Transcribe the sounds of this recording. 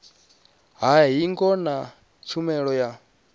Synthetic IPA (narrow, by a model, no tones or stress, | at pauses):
ɦaɦiŋɡɔna | t͡ʃʰumɛɺɔja